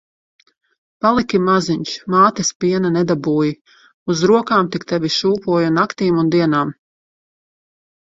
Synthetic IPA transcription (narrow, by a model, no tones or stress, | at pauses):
palˠikʲimaziɲʲʃmaːt̪ɛspiɛnanɛd̪abuːji | uzɾuɔkaːmt̪ikt̪ɛvʲiʃuːpuɔjunakt̪iːmund̪iɛnaːm